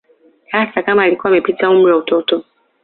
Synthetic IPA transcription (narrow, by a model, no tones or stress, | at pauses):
hasakamaːlikuwaːmɛpitaum̩ɾiwautɔtɔ